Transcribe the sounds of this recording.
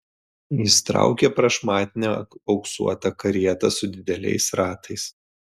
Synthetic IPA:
ist̪ɾɑ̰ˑʊkʲɛpɾɐʃmɑːt̪ʲɪnʲɛɒʊksṵɔt̪ɐkɐɾʲiɛt̪ɐsʊd̪ʲɪd̪ʲɛlʲɛ̰ɪsɾɑːt̪ʰɐɪs

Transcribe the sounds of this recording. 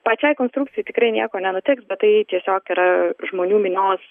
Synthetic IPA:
pɐt͡ʃʲɛɪkoːnst̪ɾuːkt͡sʲɪjɛt̪ʲɪkɾɐɪnʲiɛkoːnʲɛnʊt̪ʲɪksbʲɛt̪t̪ːɐɪt̪ʲiɛsʲoːkiɾɐʒmoːnʲuːmʲɪnʲoːs

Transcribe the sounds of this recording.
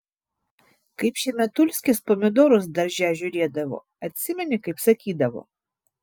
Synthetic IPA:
kɐɪpʃʲɛmʲɛt̪ulʲsʲkʲɪspɔmʲɛd̪ɔɾʊzd̪ɐɾʒʲaʒʲʊɾʲiɛd̪ɐʋɔ̰ | ɐt̪ʲsʲɪmʲɛnʲɪkɐɪpsɐkʲid̪ɐʋɔ̰

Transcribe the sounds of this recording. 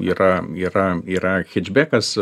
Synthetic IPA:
ḭːɾɐiːɾɐiːɾɐxʲɛd͡ʒʲbʲækɐs

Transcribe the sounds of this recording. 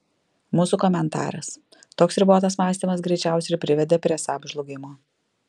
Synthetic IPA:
muːsuːkɔmʲɛnt̪ɑ̰ːɾɐs | t̪oːksɾʲɪboːt̪ɐsmɑːsʲt̪ʲimɐsɡɾʲɛɪt͡ʃʲæˑʊsʲɛɪɾpʲɾʲɪʋʲɛd̪ʲeːpʲɾʲiɛsɑːbʒlˠʊɡʲɪmoː

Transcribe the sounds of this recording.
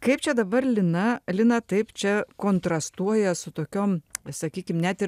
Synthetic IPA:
kɐɪpt͡ʃʲɛd̪ɐbɐrlʲɪnɐlʲɪnɐt̪ɐɪpt͡ʃʲɛkoːnt̪ɾɐst̪uɔjɛsʊt̪oːkʲoːmsɐkʲiːkʲɪmnʲɛt̪ɪɾ

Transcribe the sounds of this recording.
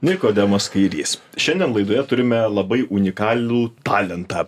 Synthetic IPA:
nʲɪkoːd̪ʲɛmoːskɐɪɾʲḭːs | ʃʲɛnd̪ʲɛnlˠɐɪd̪oːjɛt̪ʊɾʲɪmʲɛlˠɐbɐɪʔʊnʲɪkɑːlʲuːt̪ɑːlʲɛnt̪ɑː

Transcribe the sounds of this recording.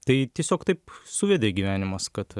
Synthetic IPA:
t̪ɐɪt̪ʲiɛsʲoːkt̪ɐɪpsʊʋʲɛd̪ʲeːɡʲiʋʲæːnʲɪmɐskɐt̪

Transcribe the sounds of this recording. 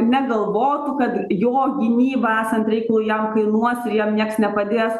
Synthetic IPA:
nʲɛɡɐlˠʋoːt̪ʊkɐt̪joːɡʲɪnʲiːbɐæːsɐnt̪ɾʲɛɪkɐlˠuːjɛmkɐɪnuɔsɪɾjɛmnʲiɛksnʲɛpɐd̪ʲeːs

